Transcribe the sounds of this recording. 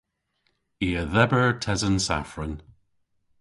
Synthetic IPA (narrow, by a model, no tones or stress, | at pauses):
iəðɛbəɹtʰɛzənsa̰fɹən